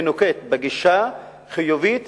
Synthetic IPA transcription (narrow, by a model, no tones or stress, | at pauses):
nuket̪beɡiʃa | χijuvit̪